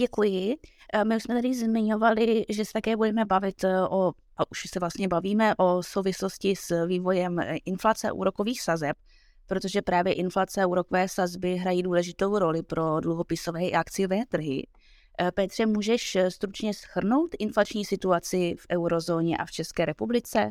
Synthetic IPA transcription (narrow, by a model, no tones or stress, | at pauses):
ɟɛkujɪmɪuʃsmɛt̪adɪzmɪɲo̞valɪʒɛsɛt̪akɛːbudɛmɛbavɪt̪ʔo | ʔaʔuʃsɛvlast̪ɲɛbaviːmɛʔo̞sowvɪslo̞scɪsviːvo̞jɛmʔɪnflat͡sɛa̰ʔṵːɾo̞ko̞viːxsazɛp̚ | pɾot̪o̞ʒɛpɾaːvjɛʔɪnflat͡sɛauːɾo̞kovɛːsazbɪɦɾajiːduːlɛʒɪt̪o̞wɾo̞lɪpɾo̞dluɦo̞pɪso̞vɛːakt͡sɪjovɛːt̪r̩ɦɪ̰ | pɛt̪r̝̥ɛmuːʒɛʃst̪ɾut͡ʃɲɛsxr̩no̞wt̪ʔɪnflat͡ʃɲiːsɪt̪uat͡sɪfʔɛwɾo̞zo̞ːɲɛʔa̰ft͡ʃɛskɛːɾɛpublɪt͡sɛ